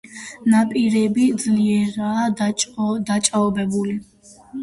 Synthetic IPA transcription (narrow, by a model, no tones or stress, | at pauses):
napʼiɾɛbid̪zliɛɾaː | d̪at͡ʃʼaɔbɛbuli